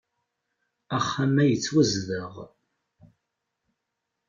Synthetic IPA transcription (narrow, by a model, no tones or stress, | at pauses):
æχːamæjət͡sːwæzðəʁ